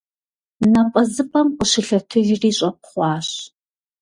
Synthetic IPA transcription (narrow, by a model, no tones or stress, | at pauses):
nɐpʼɐzɨpʼɐmqʷʼʊʃɪɬɐtʰɨʒriːɕʼɐp̚χʷɑːɕ